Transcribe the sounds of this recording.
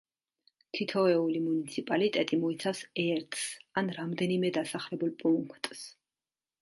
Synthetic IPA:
kʰit̪ʰɔɛulimunit̪sʰipʼalit̪ʼɛt̪ʼimɔit̪sʰafsɛɾt̪ʰsanɾamd̪ɛnimɛd̪asaχlɛbulˠpʼuŋkʰt̪ʼs

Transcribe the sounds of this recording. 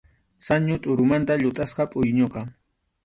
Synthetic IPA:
saɲʊt̪ʼʊɾʊmant̪aʎʊt̪ʼasqɑpʼʊjɲoqɑ

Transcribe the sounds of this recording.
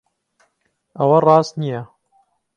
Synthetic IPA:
ʔɐwɐrˤɑːst̪nijɐ

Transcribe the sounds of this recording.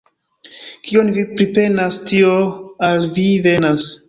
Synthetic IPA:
kionvipɾipe̞nastioalvive̞nas

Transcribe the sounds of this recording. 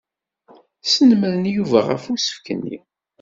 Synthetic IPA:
sənməðənjuvæʁə̰fusə̥fkənːḭ

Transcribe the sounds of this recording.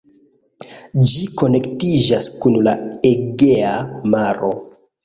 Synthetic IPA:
d͡ʒikone̞ktid͡ʒaskunla̰eɡeamaɾo̞

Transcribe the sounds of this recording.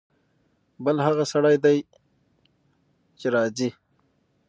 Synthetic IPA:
bəlɦaɣasaɽajd̪aj | t͡ʃeɾɑːzi

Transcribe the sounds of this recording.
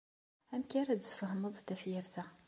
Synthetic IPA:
æmkæɾæd̪sfəhməðˤt̪æfjəɾθæ

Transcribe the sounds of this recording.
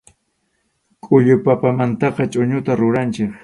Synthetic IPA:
kʼʊʎʊpapamant̪ɑqɑt͡ʃʼʊɲʊt̪aɾʊɾant͡ʃɪk

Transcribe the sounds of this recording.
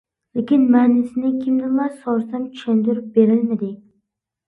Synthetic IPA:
lekʲɪnmanɪsɪnɪkʲʰɪmnɪlˠaɾsɒɾst̪ant͡ʃʃʰand̪ʊɾɪp̚be̞ɾɪlmad̪ɪ

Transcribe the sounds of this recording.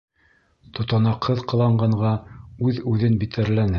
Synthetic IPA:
t̪ŏt̪ɑ̆nɑqʰːɤðqɤ̆lˠɑɴɢɑɴʁɑʉðʉðɘnbit̪æɾlænɘ

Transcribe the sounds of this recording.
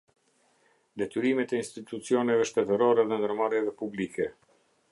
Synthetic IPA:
d̪ɛt̪yɾimɛt̪ɛinst̪it̪ut͡siɔnɛvɛʃt̪ɛt̪əɾɔɾɛðɛnd̪əɾmaɾjɛvɛpublikɛ

